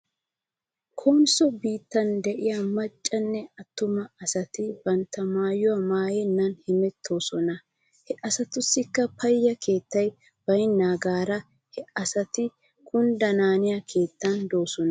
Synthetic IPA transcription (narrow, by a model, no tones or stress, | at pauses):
kʰoːnsɔbiːt̪ːɐnd̪ɛʔɪjɐmɐt͡ʃʼːɐnːɛɐt̪ːʊmɐɐsɐt̪ɪbɐnt̪ːɐmaːjʊwɐmaːjɛnːɐnhɪmɛt̪ʰːo̞ːsɔnɐ | hɛʔɐsɐt̪ʊsːɪkːɐpɐjːɐkʰe̞ːt̪ːɐj | b̥ɐjnːaːɡaːɾɐ | hɛɐsɐt̪ɪ | kʊnd̪ɐnaːnɪjɐkʰe̞ːt̪ːɐnd̪o̞ːsɔnɐ